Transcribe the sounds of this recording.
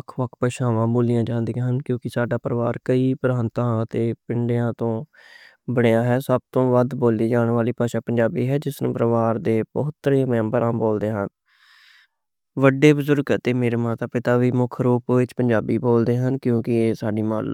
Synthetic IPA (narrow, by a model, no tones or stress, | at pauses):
əkʰʋəkʰpəʃãːʋãːboːlɪjãːd͡ʒãːnd̪eãːɦənkjõːkɪsaːɖaːpəɾəʋaːɾkəiːpəɾaːnt̪ãːət̪eːpɪɳɖejãːt̪õː | bəɽejaːɦɛːsəb̚t̪õːʋəd̪boːliːd͡ʒaːɳʋaːliːpaːʃãːpəɲd͡ʒaːbiːɦɛːd͡ʒɪsnṵ̃ːpɾəʋaːɾd̪eːbəɦʊt̪ːɾẽːmɛ̃ːmbəɾãːboːld̪eːɦən | ʋəɖeːbəzʊɾɡt̪eːmeːɾeːmaːt̪aːpɪt̪aːʋiːmʊkʰɾuːpːʋɪt͡ʃpəɲd͡ʒaːbiːboːld̪eːɦənkjõːkɪeːsaːɖiːma̰ːl